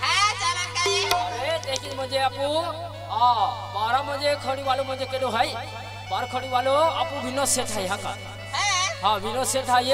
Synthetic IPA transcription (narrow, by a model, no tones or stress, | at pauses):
et̪ekʰimə̃d͡ʒeapũ | abaɾamə̃d͡ʒekʰəɽ̃ibalumə̃d͡ʒekeɗoɦaj | baɾkʰəɽ̃ibaloapũbʱinɔseʈʰajɦãka̰ | ɦãbinɔseʈʰaje